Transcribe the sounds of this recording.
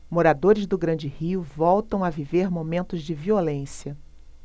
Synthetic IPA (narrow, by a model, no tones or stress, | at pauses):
moɾad̪oɾɪzd̪ʊɡɾɐ̃d͡ʒɪhiʊvɔwt̪ɐ̃w̃aviveɾmomẽnt̪ʊzd͡ʒɪviolẽsiɐ